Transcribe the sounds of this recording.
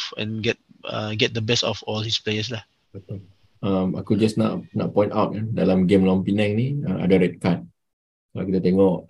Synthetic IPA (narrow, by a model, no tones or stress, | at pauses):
ɛ̰̃nɡɛt̚ʌ̰ɡɛt̚d̪əbɛstɔfɔlhisplejəsla | bət̪ul | ama̰kud͡ʒasna̰ʔnaʔpɔ̃j̃ntawt̚kandalamɡẽmlɔ̃mpinɛ̃ŋniaa̰daɾɛt̚kat̚ | soakit̪at̪ɛŋɔʔ